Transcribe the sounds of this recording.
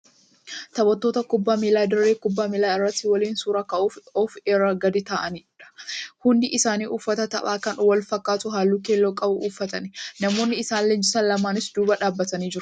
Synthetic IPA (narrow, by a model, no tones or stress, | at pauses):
t̪ɐbɔt̪ːo̞ːt̪ɐkʊbːaːmilaːd̪ɪrːeːkʊbːaːmɪlaːɪrːɐt̪ːɪwɐliːnsuːɾɐkɐʔuːfɔːfeɾɐɡɐd̪ɪt̪aːʔɐniːɪᶑɐ̥hʊnd̪ɪʔɪsaːniːʔʊːfːɐt̪ɐt̪ɐʔaːkɐnwɐlfɐkːaːt̪ʊɦaːlːuːkeːlːoːkʼɐbʊʔuːfːɐt̪ɐnnɐmo̞ːnːɪɪsaːnlend͡ʒɪsɐːnlɐmaːnɪsd̪uːbɐᶑaːbːɐt̪ɐniːd͡ʒɪɾʊ̥